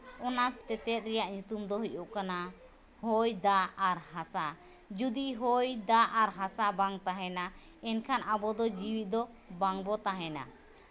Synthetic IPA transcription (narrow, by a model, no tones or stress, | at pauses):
ɔnat̪ɛt̪ɛt̪̚ɾɛjaʔɲut̪umd̪ɔɦuʔuʔkana | hɔjd̪aaɾhasa | d͡ʒud̪iɦɔjd̪aʔaɾɦasabaŋt̪aɦɛna | ɛnkʰanʔabɔd̪ɔd͡ʒiwit̪̚ˀd̪ɔ | baŋbɔt̪aɦɛna̰